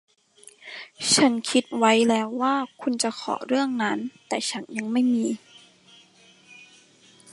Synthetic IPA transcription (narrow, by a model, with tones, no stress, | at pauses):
t͡ɕʰa˦˥nkʰi˦˥t̪̚wa˦˥jlɛː˦˥wːaː˥˩kʰu˧nt͡ɕa˧˦xʰɔ̰ː˨˩˦ɾɯ˥˩əŋna˦˥nt̪ɛː˨˩t͡ɕʰa˦˥nɲa˧ŋma˥˩jmiː˧